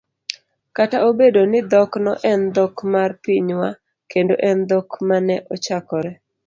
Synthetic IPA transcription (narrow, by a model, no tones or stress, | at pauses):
kataobedonɪd̪ɔknɔʔɛnd̪ɔkmarpiɲwa | kendoʔɛnd̪ɔkmanɛʔɔt͡ʃakɔɾɛ